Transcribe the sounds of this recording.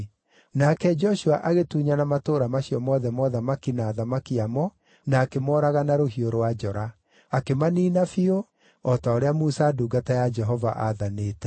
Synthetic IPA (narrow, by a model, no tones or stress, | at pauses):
nakɛd͡ʒɔɕuaʔaɣetuːɲanamatoːɾamaɕijɔmɔːðɛmɔːðamakinaːðamakiamɔ | naːkemɔɾaɣanaɾoɦioɾowad͡ʒɔɾa | akemaniːnafio | ɔtaoɾeamusaduːɡatajad͡ʒɛɦɔva̰ʔaðaneːtɛ